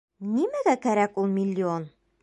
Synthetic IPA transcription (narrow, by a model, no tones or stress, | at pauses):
nimæɡækæɾækulˠmʲɪlʲːɪon